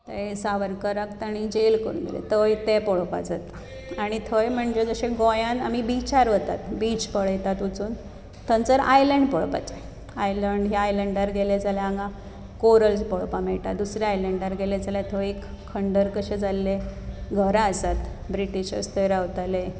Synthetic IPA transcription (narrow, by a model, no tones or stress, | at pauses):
t̪əjsaʋəɾkəɾəkt̪aɽ̃id͡ʑelkəɾṵnɡḛlḛt̪əjt̪epɔɭpa̰d͡zat̪ | aɽ̃it̪ʰəjm̤əɳd͡ʑed͡zəɕẽɡojãna̰mibit͡ɕaɾʋət̪at̪bit͡ɕpəɭəjt̪at̪ut͡suːn | t̪ʰənt͡səɾa̰jləɳɖpəɭpa̰t͡ɕe | ajləɳɖɦiajləɳɖaɾɡeled͡zalaãŋɡã | koɾəlspɔɭpamɛɭʈ̪at̪d̪usɾjaajləɳɖaɾɡeled͡zaljat̪ʰəekʰːəɳɖəɾkəɕẽd͡zalːeɡʱəɾaəsat̪ | bɾiʈiɕə̰st̪ʰəjɾaʋt̪ale